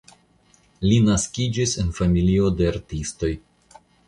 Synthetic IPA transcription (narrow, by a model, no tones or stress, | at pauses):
linaskid͡ʒise̞nfamilio̞de̞aɾtisto̞j